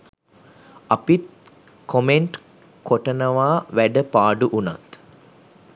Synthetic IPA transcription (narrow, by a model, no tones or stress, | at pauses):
apit̪̚ | kʰomeɳʈ | koʈənəʋaːʋæɖəpaːɖuʔuna̰t̪